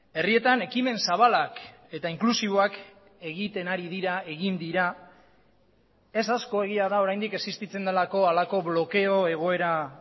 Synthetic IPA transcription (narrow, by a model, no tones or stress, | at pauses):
e̞rie̞t̪ane̞kime̞nsaβalak | e̞t̪aiŋklusiβo̞ak | e̞ɣit̪e̞naɾiðiɾae̞ɣind̪iɾa | e̞sasko̞e̞ɣ̞iaðao̞ɾajnd̪ike̞sist̪it͡se̞nd̪elako̞alako̞βlo̞ke̞o̞e̞ɣ̞o̞e̞ɾa